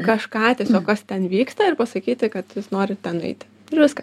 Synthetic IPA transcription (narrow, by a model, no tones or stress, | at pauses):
kɐʃkɑːt̪ʲiɛsʲoːkkɐst̪ʲɛnʋʲiːkst̪ɐɪrpɐsɐkʲiːt̪ʲɪkɐt̪jɪsnoːɾʲɪt̪ʲɛnɐ̰ɪt̪ʲɪ̥ | ɪɾʋʲɪskɐ